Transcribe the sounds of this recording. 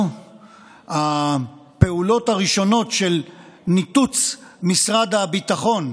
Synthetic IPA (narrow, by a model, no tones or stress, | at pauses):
hape̞ulo̞taʁiʃo̞no̞tʃe̞lnit̪ut͡smisʁad̪habit̪aχo̞n